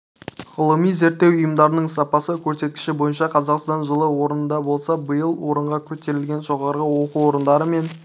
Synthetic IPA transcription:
ʁəlˠəmijze̞ɾt̪ːe̞wʊjəmd̪ɑɾənəɴsɑpɑsəkʲʰɵɾse̞t̪kʲɪ̥ʃɪbo̞jənʃɑqʰɑzɑqst̪ɑnʒəlˠəwo̞ɾənənd̪ɑbo̞lˠsɑbəjəlˠwo̞ɾəɴʁɑkʲʰɵt̪e̞ɾɪlɡʲe̞nʒo̞ʁɑɾʁəwo̞quo̞ɾənd̪ɑɾəme̞n

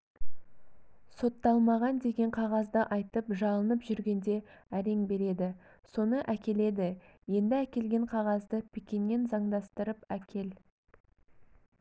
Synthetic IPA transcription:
so̞t̪ːɑlˠmɑʁɑnd̪e̞ɡʲe̞ɴqʰɑʁɑzd̪əʔɑjt̪əpʒɑlˠənəpʒʏɾɡʲe̞nd̪e̞æɾe̞ŋbe̞ɾe̞d̪ɪ | so̞nəʔækʲe̞le̞d̪ɪje̞nd̪ɪækʲe̞lɡʲe̞ɴqʰɑʁɑzd̪əpʰekʲe̞nːe̞nzɑɴd̪ɑst̪əɾəpækʲʰe̞l

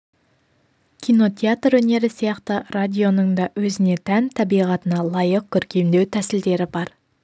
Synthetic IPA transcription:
kʲʰijno̞t̪ʲʰeat̪rwɵne̞ɾɪsijɑqt̪ərad̪ʲio̞nəŋd̪ɑwɵzɪne̞t̪ʰænt̪ʰɑbijʁɑt̪ənɑlˠɑjəq̚kʲʰʏɾkʲe̞md̪e̞wt̪ʰæsɪld̪e̞ɾɪbɑɾ

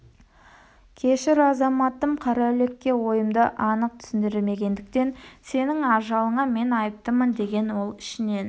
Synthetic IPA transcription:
kʲʰe̞ʃɪɾɑzɑmɑt̪ːəmqʰɑɾɑle̞kʲːe̞wo̞jəmd̪əʔɑnəq̚t̪ʰʏ̥sɪnd̪ɪɾɪlme̞ɡʲe̞nd̪ɪk̚t̪e̞nse̞nɪŋɑʒɑlˠəɴɑme̞nɑjəp̚t̪əmənd̪e̞ɡʲe̞nwo̞lˠɪ̥ʃɪne̞n

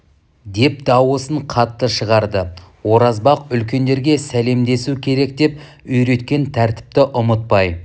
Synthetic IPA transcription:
d̪e̞p̚d̪ɑwəsəɴqʰɑt̪ːəʃəʁɑɾd̪əwo̞ɾɑzbɑqʏlkʲe̞nd̪e̞ɾɡʲe̞sæle̞md̪e̞sukʲʰe̞ɾe̞k̚d̪e̞p̚ | ʏjɾe̞t̪kʲe̞nt̪ʰæɾt̪ɪ̥p̚t̪ɪʔʊmət̪̚pɑj

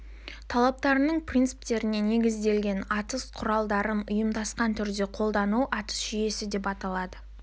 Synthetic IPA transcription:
t̪ʰɑlˠɑp̚t̪ɑɾənəɴprʲint̪sɨ̥p̚t̪e̞ɾɪne̞ne̞ɡʲɪzd̪e̞lɡʲe̞nɑt̪əsqʰʊɾɑlˠd̪ɑɾənʊjəmd̪ɑsqɑnt̪ʰʏɾd̪e̞qʰo̞lˠd̪ɑnuwʔɑt̪ə̥sʒʏje̞sɪd̪e̞pɑt̪ɑlˠɑd̪ə

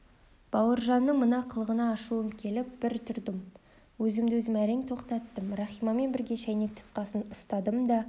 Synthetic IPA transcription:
b̥ɑwəɾʒɑnːəɴmənɑqʰəlˠʁənɑːʃuəmkʲʰe̞lɪp̚b̥ɪɾt̪ʰʏɾd̪ɪm | wɵzɪmd̪ɪwɵzɪmæɾeŋt̪ʰo̞qt̪ɑt̪ːəmrɑχijmɑme̞nbɪɾɡʲe̞ʃæjnek̚t̪ʰʊ̥t̪̚qɑsənʊst̪ɑd̪əmd̪ɑ

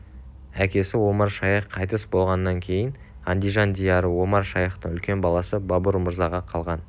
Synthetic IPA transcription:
ækʲe̞sɪwo̞mɑɾʃɑjəqʰːɑjt̪əsbo̞lˠʁɑnːɑŋkʲʰe̞jɪn | ɑnd̪ʲijʒɑnd̪ʲijɑɾəwo̞mɑɾʃɑjɑqt̪əɴʏlkʲe̞nbɑlˠɑsəbɑbʊɾməɾzɑʁɑqʰɑlˠʁɑn

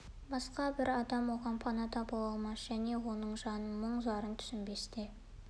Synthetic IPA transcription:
bɑsqɑbɪɾɑd̪ɑmwo̞ʁɑnpʰɑnɑt̪ʰɑpɑlˠɑlˠmɑsʒ̥æne̞wo̞nəɴʒɑnəməɴzɑɾənt̪ʰʏ̥sɪnbe̞st̪ɪ

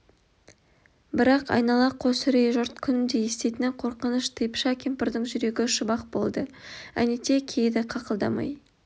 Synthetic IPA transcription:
bɪɾɑqɑ̰jnɑlˠɑqʰo̞sɪɾejʒʊɾt̪kʲʰʏnɪnd̪e̞jest̪e̞jt̪ɪnɪqʰo̞ɾqənəʃt̪ʰəjəpʃɑkʲʰempɪɾd̪əɴʒʏɾe̞ɡʲɪʃʊbɑq̚bo̞̰lˠd̪əæ̰nit̪ʰe̞kʲʰejd̪ɪqʰɑqəlˠd̪ɑ̰mɑ̰j

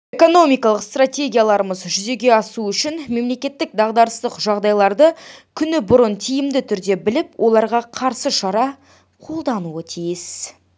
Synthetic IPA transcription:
eko̞no̞mijkɑlˠəqst̪rat̪ʲe̞ɡʲijalˠɑɾəməzʒʏze̞ɡʲe̞ɑsuʏʃɪnme̞mle̞kʲe̞t̪ːɪk̚d̪ɑʁd̪ɑɾəst̪əqʒɑʁd̪ɑjlˠɑɾd̪əkʲʰʏnɪbʊɾənt̪ʰijɪmd̪ɪt̪ʰʏɾd̪e̞bɪlɪpwʔo̞lˠɑɾʁɑqʰɑɾsəʃɑɾɑ | qʰo̞lˠd̪ɑnuət̪ʰijɪs

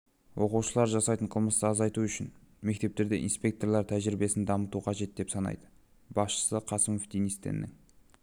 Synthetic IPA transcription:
wʔo̞quwʃəlˠɑɾʒɑsɑjt̪əɴqʰəlˠməst̪əɑzɑjt̪uʏʃɪn | me̞k̚t̪e̞p̚t̪e̞ɾd̪e̞̰ʔinspʲe̞k̚t̪o̞rlˠɑɾt̪ʰæʒɾɪbe̞sɪnd̪ɑmət̪uqʰɑʒe̞t̪̚d̪e̞psɑnɑ̰jd̪ə | bɑsʃə̥səqʰɑsəmo̞fd̪inijst̪ːḛnːɪ̰ŋ

